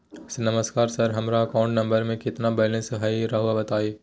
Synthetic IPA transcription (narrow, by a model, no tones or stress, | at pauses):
snɐməskaːɾsɐɾɦɐmɾaɐkaːʊ̃ɳʈnɐ̃mbəɾmẽkɪt̪nabɐlẽsɦɐiɾɐɦʋabɐt̪aːiː